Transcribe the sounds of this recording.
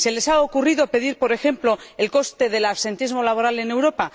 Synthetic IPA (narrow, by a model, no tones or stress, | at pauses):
se̞le̞saokuriðo̞pe̞ðiɾpo̞ɾe̞xe̞mplo̞elko̞st̪e̞ð̞e̞laβse̞nt̪izmo̞laβo̞ɾale̞ne̞wɾo̞pa